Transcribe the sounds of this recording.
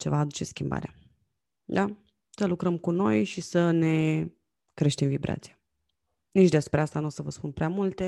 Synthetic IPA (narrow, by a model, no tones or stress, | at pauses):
t͡ʃe̞vaːd̪ut͡ʃe̞skʲimba̰ɾea | d̪a | səlukɾəmkuno̞jʃisəne̞ | kɾe̞ʃt̪imvibɾa̰t̪sija | nit͡ʃd̪espɾe̞ast̪anuosəvəspunpɾeamult̪e̞